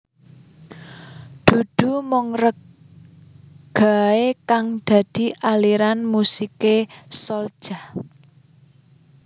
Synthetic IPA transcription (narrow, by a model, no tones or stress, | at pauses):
d̪̥ṳd̪̥ṳmɔŋrək | ɡ̥a̤ekaŋd̪̥ä̤d̪̥i̤ʔaliɾanmusikesɔld̥ʒ̥ah